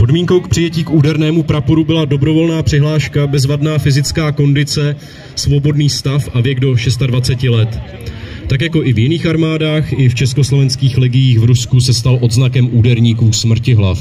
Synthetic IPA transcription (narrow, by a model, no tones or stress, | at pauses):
po̞dmiːŋkowk̚pr̥ɪjɛciːkʔuːdɛɾnɛːmupɾapoɾubɪlado̞bɾo̞vo̞lnaːpr̥ɪɦlaːʃkabɛzvadnaːfɪzɪt͡skaːko̞ndɪt͡sɛ | svo̞bo̞dniːst̪afʔavjɛɡdo̞ʃɛst̪advat͡sɛcɪlɛt̪ | t̪akjako̞ʔɪvjɪniːxaɾmaːdaːxɪft͡ʃɛsko̞slo̞vɛnskiːxlɪɡɪjiːxvɾuskusɛst̪alʔo̞d̪znakɛmʔuːdɛɾɲiːkuːsmr̩cɪɦla̰f